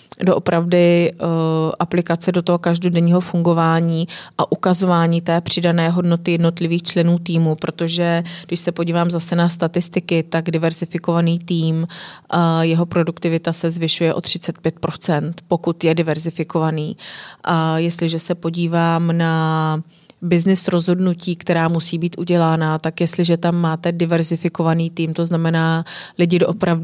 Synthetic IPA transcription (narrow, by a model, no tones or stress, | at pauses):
doʔopɾavdɪ | ʔaplɪkat͡sɛdo̞t̪oɦo̞kaʒdodɛɲiːɦo̞fuŋɡo̞vaːɲiːʔaʔukazovaːɲiːt̪ɛːpr̝̥ɪdanɛːɦo̞dno̞t̪ɪjɛdno̞t̪lɪviːxt͡ʃlɛnuːt̪iːmupɾo̞t̪oʒɛɡdɪʃsɛpoɟiːvaːmzasɛnast̪at̪ɪst̪ɪkɪt̪aɡdɪvɛɾzɪfɪko̞vaniːt̪iːm | jɛɦo̞pɾo̞dukt̪ɪvɪt̪asɛzvɪʃujɛʔo̞t̪r̝̥ɪt͡sɛt̪̚pjɛt̪̚pɾʔo̞t͡sɛnt̪po̞kut̪jɛdɪvɛɾzɪfɪko̞vaniːʔjɛst̪lɪʒɛsɛpo̞ɟiːvaːmna | bɪznɪsɾo̞zɦo̞dnuciːkt̪ɛɾaːmusiːbiːt̪ʔuɟɛlaːnat̪akjɛst̪lɪʒɛt̪amːaːt̪ɛdɪvɛɾzɪfɪko̞vaniːt̪iːmt̪o̞znamɛnaːlɪɟɪdoʔopɾavd